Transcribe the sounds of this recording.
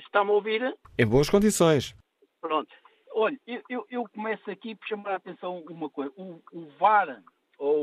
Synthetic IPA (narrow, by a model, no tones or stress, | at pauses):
ʃt̪am̃oviɾẽj̃boɐʃkõnd̪isõj̃ʃ | pɾõnt̪u̥ | ɔʎɐewewʔewkumɛsɐkipɔʃɐmaɾat̪ẽsɐ̃w̃umɐkojzɐuːvaɾ | o